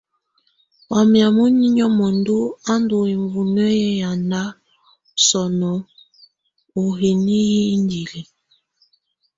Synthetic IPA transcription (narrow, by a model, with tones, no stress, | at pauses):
wa˨mja˨mu˦ni˦ɲɔ˦mɔ˨ndu˦a˦ndo˨i˨ɱvu˨nɛ˦ɛ˦ja˨nda˦ | sɔ˨nɔ˨ | o˨ɦe˨ni˦ji˦ndi˨li˨